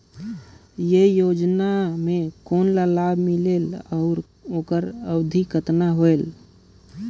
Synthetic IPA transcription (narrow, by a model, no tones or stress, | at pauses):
jejoːd͡ʒnamẽkoːnlalabʱmileːlɔːɾ | oːkəɾəwd̪ʱikət̪naɦoel